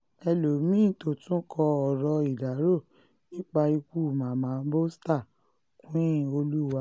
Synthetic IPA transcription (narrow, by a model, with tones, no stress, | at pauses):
ɛ˧lo˨mĩ˦˨to˨tũ˦kʰɔ˧ɔ˨ɾɔ˧i˨da˨˦ɾo˦˨ | nĩ˦k͡pa˧i˧kʷu˦˨mã˨˦mãː˨˦bo˦sta˦˨ | kũ˦ĩ˦˧o˧lu˦wa˧˦